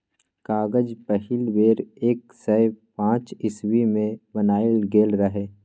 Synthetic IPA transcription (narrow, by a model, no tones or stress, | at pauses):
kaːɡəd͡ʒpəɦɪlweːɾeːk̚ | səjpãːt͡ʃɪswimẽbənaːɪlɡeːlɾəɦeː